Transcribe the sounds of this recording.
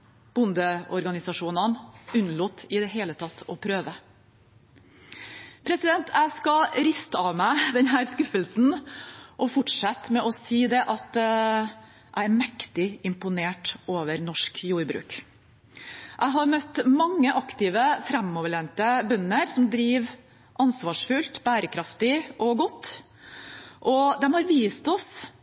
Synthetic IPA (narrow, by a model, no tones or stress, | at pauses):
b̥ʊnd̪əɔɾɡɑnɪsɑʂuːnɑnʉnluːt̪ʰɪd̪ɛɦeːlət̪ʰɑt̪ʰːɔpʰɾøːʋə | pʰɾɛsɪd̪ɛnt̪ʰæɪskɑɾɪst̪əɑʋmæɪd̪ɛnɦæːɾskʉfəlsn̩ʔɔfʊʈʂɛt̪mɛʔɔsiːd̪ɛʔɑt̪ | ʔæɪæɾmɛkt̪ɪɪmpʊneːʈʔoːʋəɾnɔʂkjuːɾbɾʉ̰ːk | ʔæɪɦɑɾmœt̪ːmɑŋːəʔɑkt̪ɪʋəfɾæmːɔːʋəɭeːnt̪əbœnːəɾsɔmd̪ɾiːʋ | ʔɑnsʋɑːʂfʉlt̪bæːɾəkʰɾɑft̪ɪʔɔɡɔt̪ː | ʔɔd̪ɛmhɑɾʋiːst̪ɔs